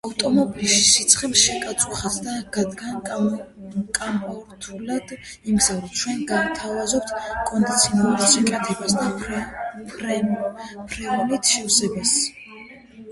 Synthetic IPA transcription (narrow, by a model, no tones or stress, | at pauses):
avt̪ʼɔmɔbilʃisit̪sʰχɛlʃɛkʼawɛχasd̪aɡ̥ad̪ɡan | kʼampʼɔɾt̪ʰulad̪ | imɡzaɾɔt͡ʃʰwɛnɡant̪ʰavazɔp̚t̪ʰkʼɔnd̪it̪sʰiɔnalˠuɾʃɛkʼɛt̪ʰɛbasd̪a | pɾ | pʰɾɛvulit̪ʰʃɛfsɛbas